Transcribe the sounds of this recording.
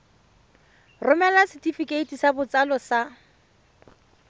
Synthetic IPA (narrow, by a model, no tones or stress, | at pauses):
rʊmɛlasɪtifikeitisabʊt͡salɔsa